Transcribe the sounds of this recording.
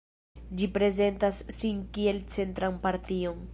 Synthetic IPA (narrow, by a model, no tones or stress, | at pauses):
d͡ʒipɾe̞ze̞ntasːinkie̞lt͡se̞ntɾanpaɾtio̞n